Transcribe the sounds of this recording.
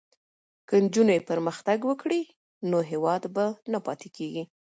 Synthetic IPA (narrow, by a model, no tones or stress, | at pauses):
kənd͡ʒunajepəɾməxt̪aɡwəkɽi | noɦewɑd̪banapɑt̪ekeɡi